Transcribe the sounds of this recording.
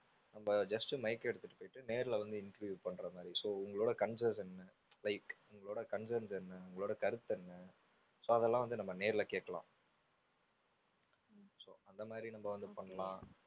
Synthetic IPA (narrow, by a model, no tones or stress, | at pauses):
nɐmbɐd͡ʒɐsʈɯmɐɪkːɛɽɯt̪ːɯʈːɯ̥poːjɪʈːɯneːɾɪlɐʋɐnd̪ɯɪnʈɐɾʋjuːpɐɳːɾɐmaːd̪ɾisoːʊŋɡɐɭoːɽɐkɐɳs̬ɐnsɛnːɐ | lɐɪkʊŋɡɐɭoːɽɐkɐnsɐɾnsɛnːɐʊŋɡɐɭoːɽɐkɐɾɯt̪ːɛnːɐ | soːɐðɛlːãːʋɐnd̪ɯnɐmːɐneːɾɪlɐkeːʈkːɐɭã̰ː | soːɐnd̪ɐmaːd̪ɾinɐmːbɐʋɐnd̪ɯpɐɳːɐlãː